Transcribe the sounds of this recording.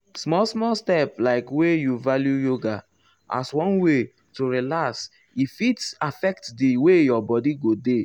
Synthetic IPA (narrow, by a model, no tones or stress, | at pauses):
smɔlsmɔstɛplaɪkwejuvaljujoɡa | ʔa̰swɔ̃nwe | toɹilaks | ifitafɛktdiwejɔbɔdiɡode